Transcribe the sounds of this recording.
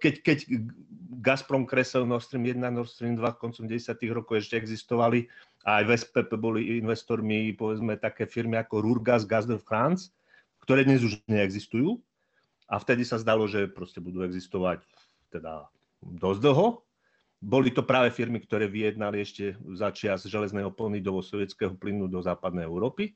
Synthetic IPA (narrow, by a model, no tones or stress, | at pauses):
kɛckɛɟ | ɡaspɾɔŋkɾɛsɛlnɔɾst̪ɾiːmjɛd̪nanɔɾst̪ɾiːmd̪ʋakɔnt͡sɔmɟɛɟɛsɪat̪iɣɾɔkɔʊɛʃcɛɛɡzist̪ɔʋali | aːjvɛspɛpɛbɔliʔinʋɛst̪ɔɾmipɔʋɛd͡zmɛt̪akɛːfiɾmiakɔɾuɾɡazɡazd̪ɔfxɾant͡s | kt̪ɔɾɛːd̪ɲɛzuʒɲɛɛɡzist̪ujuː | ʔaft̪ɛd̪isazd̪alɔʒɛpɾɔscɛbud̪uːɛɡzist̪ɔʋac | t̪ɛd̪a̰ | d̪ɔzd̪l̩ˠɦɔ | bɔlit̪ɔpɾaːʋɛfiɾmikt̪ɔɾɛːʋijɛd̪naliɛʃcɛzat͡ʃɪazʒɛlɛznɛːɦɔpɔnid̪ɔsɔʋjɛt͡skɛːɦɔplinud̪ɔzaːpad̪̚nɛjɛʊɾɔːpi